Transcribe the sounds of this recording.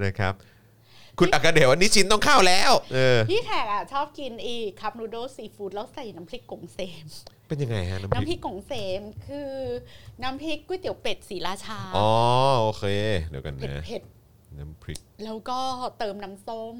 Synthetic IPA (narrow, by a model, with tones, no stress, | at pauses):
na˦˧˩jkʰɾa˦˥p̚ | kʰu˧nʔa˨˩kːa˧deː˨˩wʔa˧nːiː˦˥t͡ɕʰi˦˥nt̪ɔ˥˩ŋkʰaː˥˩wlɛː˦˥wʔɤː˧pʰiː˥˩k̪ʰɛː˨˩k̚ʔa˨˩t͡ɕʰɔː˥˩p̚ki˧nʔiː˨˩kʰːa˦˥p̚nuː˧˥doː˥˩siː˧˩fuː˦˥t̪̚lɛː˦˥wsa˨˩jna˦˥mpʰli˦˥kːo˨˩˦ŋseː˧mpe˧nja˧ŋa˧jha˦˥na˦mn˦mpʰi˦˥kʰːo˨˩˦ŋseː˧˩mkʰɯː˧na˦˥mpʰi˦˥kːu˥˩˨jt̪i˨˩˦wpe˨˩t̪̚siː˩˦laː˧˩t͡ɕʰaː˧ʔɔː˨˦ʔoː˧kʰeː˧di˨˦ka˧nːʰe˨˩a˦˥e˨˩t̪̚ | na˦˥mpʰli˦˥k̚lɛː˦˥wkɔː˥˩t̪ɤː˧mna˦˥mso˥˩m